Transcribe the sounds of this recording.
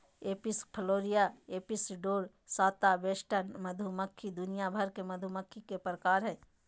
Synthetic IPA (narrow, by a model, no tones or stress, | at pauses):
eːpɪskʰəloːɾijaeːpɪsɖoːɾ | saːt̪abeːʃʈʰənmɐd̪ʱuməkʰːid̪ʊnijabʱəɾkemɐd̪ʱuməkʰːikepɾəkaːɾɦɛ̃ː